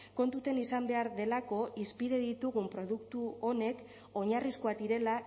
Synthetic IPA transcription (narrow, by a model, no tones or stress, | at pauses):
ko̞nt̪ut̪e̞nisambe̞aɾðe̞lako̞ʔispiɾe̞ðit̪uɣ̞umpɾo̞ðukt̪uo̞ne̞k | o̞ɲarisko̞at̪iɾe̞la